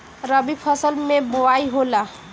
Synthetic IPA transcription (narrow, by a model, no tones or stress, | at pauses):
ɾəbipʰəsəlmebowaiɦola